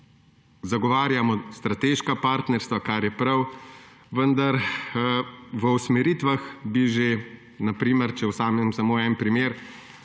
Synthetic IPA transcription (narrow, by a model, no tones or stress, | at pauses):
zaɡɔʋaːɾjamɔst̪ɾat̪eːʃkapaːɾt̪nɛɾst̪ʋakaɾjɛpɾɐw | ʋənd̪aɾ | ʋəusmɛɾiːt̪ʋaxbiʒe | napɾiːməɾt͡ʃɛwsaːmɛmsɐmoːɛnpɾimeːɾ